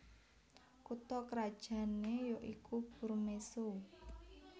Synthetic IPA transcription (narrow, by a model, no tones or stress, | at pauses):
kut̪ɔkɾad̥ʒ̥ä̤nejoʔikʰuburmeso